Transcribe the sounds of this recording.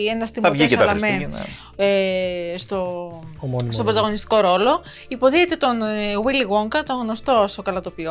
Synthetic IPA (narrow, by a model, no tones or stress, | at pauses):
enɐst̪imɐʝissɐɐlɐsmḛ | est̪o | st̪obɾot̪ɐɣo̞nist̪i̥ko̞ɾo̞lo̞ | ipo̞ðiet̪e̞t̪o̞nwiliɣoŋkɐt̪oŋɣno̞st̪o̞sokɐlɐt̪o̞pio